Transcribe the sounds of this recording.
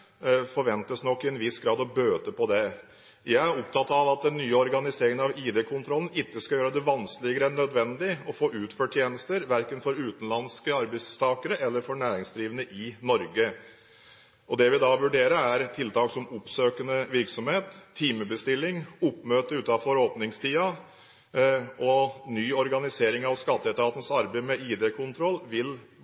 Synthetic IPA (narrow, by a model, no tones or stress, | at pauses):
fɔɾʋɛnt̪əsnɔkːɪɛnʋɪsɡɾɑːd̪ɔbøːt̪əpɔd̪ɛ | jæɪæɾɔp̚t̪ʰɑt̪ːɑʋɑt̪̚d̪ɛnːyːəɔɾɡɑnɪseːɾɪŋənɑʋiːd̪ɛkʰʊnt̪ʰɾɔlən̩ɪt̪ːəskɑljøːɾəd̪ɛʋɑnsklɪɡəɾəɛnœd̪ʋɛnd̪ɪɔfoːʔʉːt̪føːʈʰjeːnəst̪əɾʋæɾkənfɔɾʉːt̪ənlɑnskəɑɾbɛɪst̪ʰɑːkəɾəʔɛlːəɾfɔɾɳæːɾɪŋsd̪ɾiːʋənəʔɪnɔɾɡə | ɔd̪ɛʋɪd̪ɑʋʉɖeːɾəɾæɾt̪ʰɪlt̪ɑːksɔmʊpsøːkənəʋɪɾksɔmheːt̪ʰːiːməbəst̪ɪlːɪŋʊpːmøːt̪əʉːt̪ɑfɔɾoːpnɪŋst̪ʰiːɑ | ɔnyːɔɾɡɑnɪseːɾɪŋɑʋskɑt̪ːəɛt̪ɑːt̪nəsɑɾbəɪmɛiːd̪ɛkʰʊnt̪ʰɾɔlːʋɪl